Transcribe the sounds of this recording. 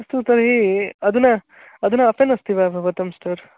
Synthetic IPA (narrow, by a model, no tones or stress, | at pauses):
ɐst̪ut̪ɐɾɐɦiɐd̪unɐ | ɐd̪unɐɐpenɐst̪iʋabʱɐʋɐt̪ɐmsʈɐɾ